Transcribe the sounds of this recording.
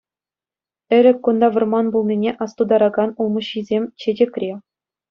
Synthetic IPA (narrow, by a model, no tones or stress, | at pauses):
ɘ̆ɾʲɘ̆kʲːund̪ɑʋɤ̆rmɑnbulˠnʲinʲeʔɑst̪ud̪ɑɾɑɡɑnulˠmɤ̆ɕizʲemʲt͡ɕedʲĕkʲrʲe